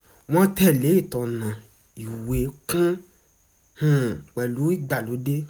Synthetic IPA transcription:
w̃ɔ̃˦tɛ˦˨le˨˦i˦˨tɔ̃˨nã˨ | i˨we˨˦kũ˦ | hũ˨k͡pɛ˨lu˨˦i˦˨ɡ͡ba˨lo˨˦de˦

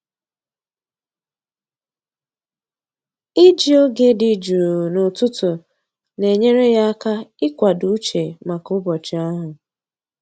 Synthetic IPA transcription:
ɪ˦d͡ʒi˨o˦ɡe˦dɪ˨d͡ʒu˨ɾu˨nʊ˨tʊ˦tʊ˨ | ne˨ɲe˦ɾe˦ja˦a˦ka˦ɪ˦kʷa˨du˦u˦t͡ʃe˨ma˨kʊ˦bɔ˨t͡ʃɪ˨a˦ɦʊ˨

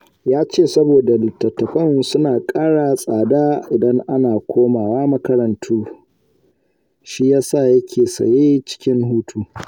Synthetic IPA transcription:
jaː˦t͡ʃeː˦˨sɐ˦boː˨da˨lɪ˨tːɐ˨tːɐ˨ɸɐ˦˨nsʊ˦naː˨kʼaː˦ɽaː˨sʼaː˨daː˦ʔɪ˨dɐ˦ŋʔa˦naː˨kʷʰoː˦maː˨waː˦mɐ˦kɐ˦ɾɐ˨ntʰuː˦ | ʃi˦jaː˦sa˦˨jɐ˦kʲʰeː˨sɐ̰˨jeː˦t͡ʃɪ̥˦kʲɪ˦ŋhuː˦tʰuː˦

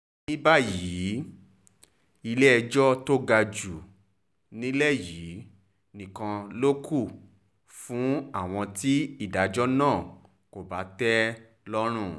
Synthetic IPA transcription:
nĩ˦ba˦ji˨˦ | i˧le˦ɛ˧d͡ʒɔ˦to˦ɡa˧d͡ʒu˨ | nĩ˦lɛ˦˨jiː˨˦ | nĩ˨kã˧lo˦kʰu˦˨ | fũ˨˦a˦˨w̃ɔ̃˧ti˦i˦˨da˨d͡ʒɔ˦nãː˦˨ | ko˨ba˨˦tɛ˦ | lɔ˦ɾ̃ũ˦˨

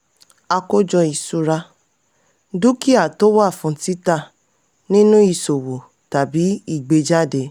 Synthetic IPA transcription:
a˧ko˦d͡ʒɔ˧i˨su˨˧ɾa˧ | du˦ki˦a˦˨to˦wa˦˨fũ˧ti˦ta˦˨ | nĩ˦nũ˦i˧˨so˨wo˨ | ta˨bi˨˦i˦˨ɡ͡be˧d͡ʒa˦˨de˨˦

